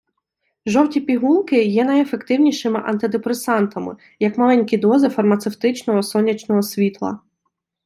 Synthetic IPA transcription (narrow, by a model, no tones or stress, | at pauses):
ʒɔwtʲipʲiɦulˠkɪjɛnɐjefekt̪ɪwnʲiʃɪmɪʔɐ̰nt̪ɪd̪epɾesɑnt̪ɐmɪ̰ | jɐkmɐlˠɛnʲkʲid̪ɔzɪfɐrmɐt̪sewt̪ɪt͡ʃnɔɦɔsɔnʲːɐt͡ʃnɔɦɔsʲʋʲit̪lˠɐ̰